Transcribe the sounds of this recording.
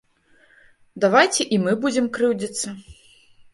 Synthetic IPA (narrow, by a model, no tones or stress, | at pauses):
d̪avajt͡sʲɛʔimɨbud͡zʲɛmkɾɨwd͡zʲɐt̪sːɐ